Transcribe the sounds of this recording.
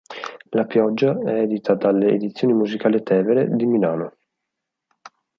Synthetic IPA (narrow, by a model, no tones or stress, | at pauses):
lapjɔd͡ʒːaɛɛd̪it̪ʰad̪alːḛːd̪it̪sːjoːnimuzikaːlit̪ɛːveɾed̪imilaːno